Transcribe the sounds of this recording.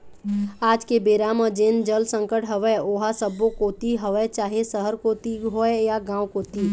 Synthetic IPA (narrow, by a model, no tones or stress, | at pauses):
aːd͡ʒkebeːɾaːmə̃d͡ʒeːnd͡ʒəlsə̃ŋkəʈɦəʋɛoːɦasəbokoːt̪iɦəʋɛt͡ʃaːɦesəɦəɾkoːt̪iɦoɛjaɡãːwkoːt̪iː